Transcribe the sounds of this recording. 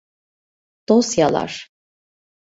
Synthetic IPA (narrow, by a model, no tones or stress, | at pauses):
d̪̥osjalˠa̰ɾ̥